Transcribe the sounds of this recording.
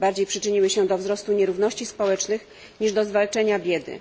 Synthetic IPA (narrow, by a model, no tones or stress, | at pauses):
baɾd͡ʑejpʂɘt͡ʂɘɲiwɘɕɛd̪ɔvzɾɔst̪uɲɛɾuvn̪ɔɕt͡ɕispɔwɛt͡ʂnɘx | ɲiʐd̪ɔzvalt͡ʂɛɲabʲjɛd̪ɘ̰